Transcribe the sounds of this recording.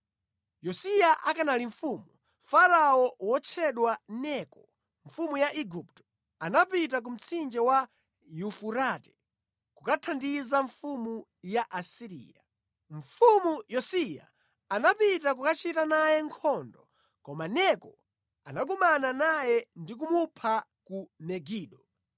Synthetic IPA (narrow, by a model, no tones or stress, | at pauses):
jɔsijaʔakanaliɱfuːmu | faɾaɔwɔt͡ʃʰɛɗwanɛkɔ | ɱfumujaʔiɡup̚tɔ̥ | anap̬it̬ak̬um̩t͡sʰind͡ʒɛwa | jufuɾatɛ̥ | kukatʰandizaɱfumu | jaʔasiɾḭːja | ɱ̩fumujɔsija̰ | anapitak̬ukat͡ʃitanajɛŋkʰɔndɔ | kɔmanɛkɔ | anak̬umananajɛndik̬umupʰa | kunɛɡiːɗɔ